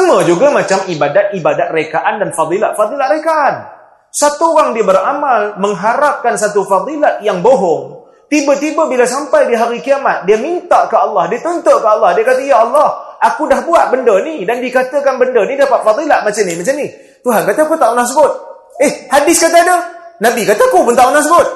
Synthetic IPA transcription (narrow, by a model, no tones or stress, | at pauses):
əməd͡ʒuɡamat͡ʃamibadat̪̚ibadat̪rekaʔandanfad̪ˤilaʔ̪̚fɑd̪ˤilaʔɾekaʔan | sat̪uoɣaŋdiəbəɾamalməŋɦaɾap̚kansat̪ufɑd̪ˤilat̪̚jaŋboɦɔŋ | t̪ibət̪ibəbilasampajdiɦaɾikiamat̪̚diəmint̪aʔkaɑlːɑhdiət̪ɔnt̪oʔkaɑlːɑhdiakat̪əjaɑlːɑhʔakudahbuatʔ̚bəndənidandikat̪əkanbəndənidapat̪̚fɑd̪ˤilaʔmat͡ʃamnimat͡ʃamni | t̪uɦankat̪akut̪aʔunas̬əbʊt̪̚ | ehhadɪskat̪aadənabikat̪akupʊnt̪aʔunasəbʊt̪̚